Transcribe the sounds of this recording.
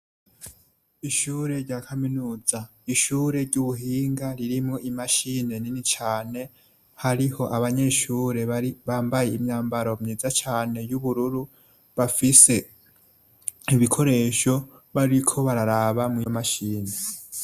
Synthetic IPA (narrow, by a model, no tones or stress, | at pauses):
iʃuːɾe̞ɾɟaːkʰaminuːza | iʃuːɾe̞ɾɟuβuɦiːŋɡaɾiɾimŋo̞ʔimaʃine̞ninit͡ʃaːne̞ | haɾiho̞ʔaβaɲe̞ʃuːɾe̞iβaːmbaje̞imɲaːmbaɾo̞mɲiːzat͡ʃaːne̞juβuɾuɾu | βafise̞ | iβikʰo̞ɾe̞ːʃo̞ | βaɾikʰo̞βaɾaɾaβamijomaʃiːne̞